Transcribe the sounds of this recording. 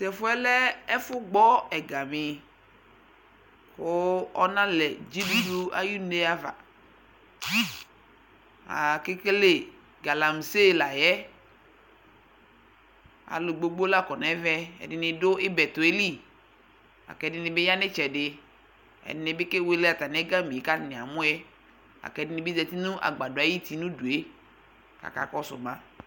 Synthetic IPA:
sɛ˨fʊ˦ɛ˦lɛ˦ɛ˦fʊ˦ɡ͡bɔ˦ɛ˨ɡa˨mɪ˨ | kʊ˦ɔ˦nã˦lɛ˨d͡ʒi˦du˦du˦a̰˦ju˦ne˦a˦va̰˨ | a̰˨kɪ˦ke˦le˦˨ | ɡa˨la˨m˨se˦˨la˨jɛ˦ | a̰˨lo˨ɡ͡bo˦ɡ͡bo˦la˦˨kɔ˨nɛ̃˨˦vɛ˦ɛ̰˨dɪ˨nɪ̃˨do˦e˦bɛ˨t̪o˨e˦li˦˨ | a̰˨kɛ˨dɪ˨nɪ˨be˦ja˦ne˦t͡ʃɛ˨ɖɪ˨ | ɛ̰˨dɪ˦ne˨be˦ke˦we˦le˦a˨t̪a˨nɛ̃˦ɡa˦mĩ˨e˨ka˦nẽ˨a˨mõ˦ɛ˦ | a̰˨kɛ˨˦dɪ˦nɪ̃˨be˦zɛ˨t̪i˦nũ˦ʔa̰˨ɡ͡ba˨do˨a˨˦ji˦t̪i˨nũ˦du˨e˦ | ka̰˨ka̰˨kɔ˦sʊ̰˨mã˦

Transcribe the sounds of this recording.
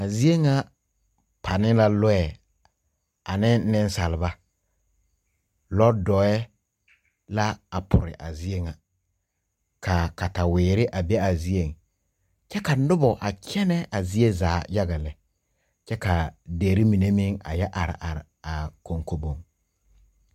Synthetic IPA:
a˨zi˦e˦ŋa˦ | pʰa˨nɪ˦la˦lʊ˦ɛ˨ | a˨nɪ˦ɪ˦n˦sa˨lɪ˨ba˦ | lɔ˦dɔ˨ɛ˦ | la˦a˨pʰʊ˨ɾɪ̰˨ʔa˨zi˦e˦ŋa˨ | kʰa˨ka˨ta˨wɪː˨ɾɪ˦ʔa˨bɛ˦a˨zi˦e˨ŋ | t͡ʃɛ˦ka˨nʊ˦bɔ˨ʔa˨kʰʲɛ˦nɛ˦ʔa˨zi˦e˦zaː˨˦ja˦ɣa˨lɛ˨ | t͡ʃɛ˦ka˨deː˨ɾi˦mi˨ne˦mɪ˦ŋa̰˨jɛ˦ʔa˨ɾɪ̰˨ʔa˨ɾɪ˨a˨ko˨ŋko˦bo˨ŋ

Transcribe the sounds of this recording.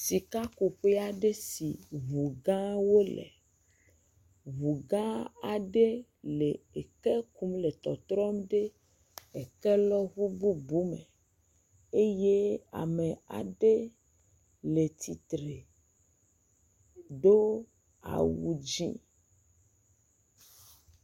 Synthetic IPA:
si˨ka˦ku˨ɸe˦a˦ɖe˦si˨βu˨ɡã˦wo˦lḛ˨ | βu˨ɡã˦a˨ɖe˦ | le˨e˨ke˦ku˦mle˨t̪ɔ˨t̪ɾɔ˦mɖe˦ | e˨ke˦lɔ˦ɣu˦bu˦bu˦me˨ | e˦je˦a̰˨me˨a̰˨ɖe˦ | le˨t̪ʰi˨t̪ɾe˨ | ɖo˦ | a̰˨wu˨d͡ʒḭ̃˦

